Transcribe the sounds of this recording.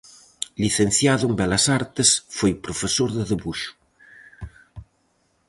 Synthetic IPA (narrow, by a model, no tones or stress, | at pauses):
liθenθjaðʊembɛlɐsaɾt̪esfojpɾofesoɾðeðeβuʃʊ̥